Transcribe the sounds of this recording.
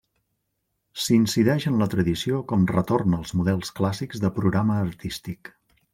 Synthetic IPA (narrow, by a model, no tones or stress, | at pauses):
sinsiðɛʒənlət̪ɾəðisiokɔmrət̪ornəlˠzmuðɛlˠsklasiɡzðəpɾuɣɾaməːrt̪ist̪ik